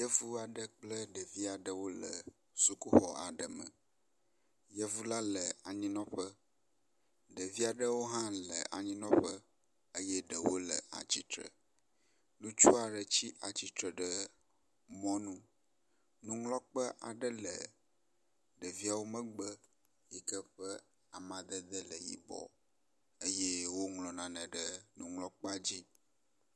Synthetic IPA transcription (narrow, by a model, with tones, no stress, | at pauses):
jə˦vu˦a˨ɖə˦k͡plə˦ɖə˨vi˦a˨ɖə˦wo˦lə̰˨ | su˨ku˦xɔ˨a̰˨ɖə˨mə̰̃˨ | jə˦vu˦la˦lə˨a˨ɲĩ˦nɔ̃˦ɸə˦ | ɖə˨vi˦a˨ɖə˦wo˦ɦã˦lə̰˨ʔa̰˨ɲĩ˦nɔ̃˦ɸə˦ | ə˦jɛ˦ɖə˨wo̰˦lə˨a̰˨t͡ɕi˦t̪ɾə̰˨ | nũ˦t͡ʃu˦a˨ɖə˨t͡ɕi˦ʔa˨t͡ɕi˦t̪ɾə˨ɖə˦ | mɔ̃˦nũ˦ | nũ˦ŋlɔ˦k͡pə˦ʔa̰˨ɖə˦lə˨ | ɖə˨vi˦a˨wo˦mə̃˦ɡ͡bə˦ | ji˨kə˦ɸə˦ | a˨mã˨d̪ə˦d̪ə˦lə˨jḭ˨bɔ̰˨ | ə˦je˦wo˦ŋlɔ̃˨nã˨nə̃˨ɖə˦nũ˨ŋlɔ˦k͡pə˦a˨d͡ʑi˦